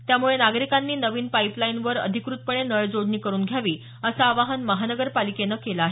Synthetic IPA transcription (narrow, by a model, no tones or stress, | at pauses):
t̪jamuɭenaɡɾikanːiːnəʋiːnpaiplainʋəɾə̰d̪ʱikɾut̪̚pəɳenəɭd͡zoɽniːkəɾuːnɡʱjaʋiː | əsaːʋaɦənməɦanəɡəɾpalikenəkelaːɦe